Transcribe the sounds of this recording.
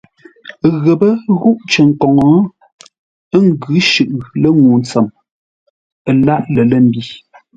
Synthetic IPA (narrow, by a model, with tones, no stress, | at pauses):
ɣə˨bə˦ɣu˦ʔt͡ʃə˨ŋ̩˨kɔ˨ŋɔ˨˦ | ŋ˦ɡʉ˨˦ʃʉ˨ʔlə˦ŋu˨n˨t͡sə˨m | ə˨la˦ʔlə˨lə˦˨m̩˦bi˦